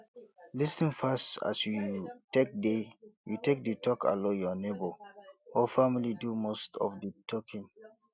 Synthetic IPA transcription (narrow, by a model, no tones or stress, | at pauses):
lisĩnfasta̰sjutek̚dejutek̚dətʰɔka̰lojɔnebəɔfamilidumostʰɔ̰fdətʰɔkʰĩŋ